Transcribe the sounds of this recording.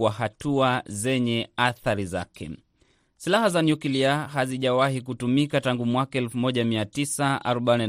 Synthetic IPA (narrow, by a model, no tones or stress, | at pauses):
wahatuazɛɲɛaθaɾiza̰kʰɛ̰ | silahazanjukiliahaziʄawahik̬utumikataŋɡumwakaɛlfumɔʄamiatisaa̰ɾɔɓani